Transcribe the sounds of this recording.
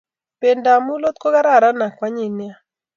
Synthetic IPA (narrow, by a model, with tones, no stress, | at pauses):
pe˨nda˨mu˦lo˦t̪̚ko˦ɡa˦ɾa˦˨ɾa˦na˨kwa˦ɲɪ˨nɪ˦a˦